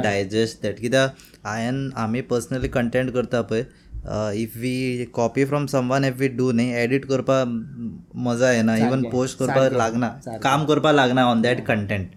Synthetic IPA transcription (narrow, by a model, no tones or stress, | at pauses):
ɖajd͡ʑesʈd̪ɛʈkit̪a | ajənam̤iːpəɾsənalikəɳʈẽɳʈkəɾt̪apəj | ifʋikɔpifɾɔmsəmʋanifʋiɖunajeɽiʈkəɾpa | məd͡zajenaiʋənposʈkəɾpalaɡnakamkəɾpalaɡnaɔnd̪ɛʈkəɳʈẽɳʈ̚